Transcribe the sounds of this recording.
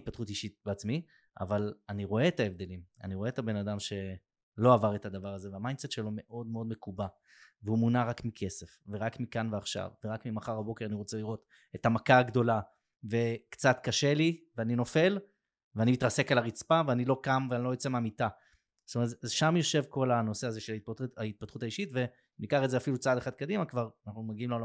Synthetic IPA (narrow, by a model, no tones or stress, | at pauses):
t̚pat̪χutiʃit̚beat͡smi | a̰valaniʁo̞eːtaevd̪e̞lima̰niʁoeet̪abe̞nadamʃe̞ | lo̞avaʁetad̪avaʁaze̞veamajndset̪ʃe̞lo̞me̞ʔo̞dmeo̞d̪me̞kuba | veumunaʁakmikʰe̞se̞fveʁakmikanveaχʃa̰vveʁakmimaχaʁhabo̞keʁaniʁo̞t͡seliʁo̞t̪ | etamakaːɡd̪o̞la | ve̞kt͡sat̪kaʃe̞liveanino̞fe̞l | veanimitʁase̞kalaʁit͡spaveanilo̞kamveanilo̞jot͡semeamita | st̪omeetazʃamjo̞ʃe̞vko̞lano̞seazeʃelait̚paait̪̚pat̪χutaiʃitve̞ | nikaχedzeafilut͡saaːdeχad̪̚kad̪imakvaʁanaχnumaɡiimlola